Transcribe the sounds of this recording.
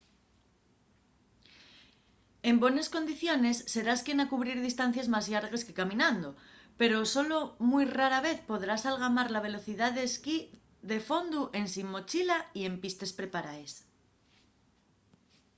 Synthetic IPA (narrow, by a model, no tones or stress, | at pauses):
e̞mbwe̞nesko̞nd̪iθjo̞ne̞sːe̞ɾaskjenakuβɾiɾðist̪an̟θjazmazʝaɾɣe̞skekamĩnãnd̪ope̞ɾo̞so̞lo̞mujraɾaβe̞θpo̞ðɾasalɣ̞amaɾlaβ̞e̞lo̞θiðaðeski | ðe̞fo̞nd̪uʔe̞nsimːo̞t͡ʃilaie̞mpist̪e̞spɾe̞paɾaes